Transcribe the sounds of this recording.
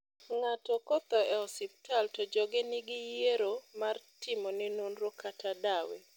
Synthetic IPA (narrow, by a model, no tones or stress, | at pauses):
ŋatɔkɔt̪ɔɛɔsɪp̚taltɔd͡ʒɔɡenɪɡɪjeɾomartɪmɔnɪnonɾɔkʰatʰadawḛ